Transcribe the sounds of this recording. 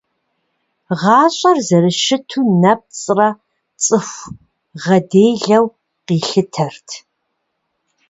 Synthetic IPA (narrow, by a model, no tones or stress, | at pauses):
ʁɑːɕʼɐrzɐɾɨʃɪtʰuːnɐp̚t͡sʼrɐ | t͡sʼɨxʷ | ʁɐdeːjɮɐw | qiːɬɨtʰɐrtʰ